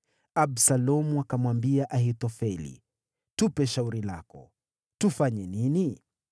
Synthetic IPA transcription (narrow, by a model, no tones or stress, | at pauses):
absalɔmuakamwambiaʔaɦitɔfɛlḭ | tupɛʃauɾila̰kɔ̰ | tufaɲɛnini